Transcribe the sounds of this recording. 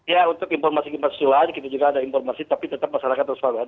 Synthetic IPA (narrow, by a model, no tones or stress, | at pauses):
jaunt̪ʊkinfɔrmasikimpḁsulankit̪ad͡ʒuɡaːdaimfɔrmasit̪apit̪ət̪ap̚masaɾakat̪ːrəspaɾa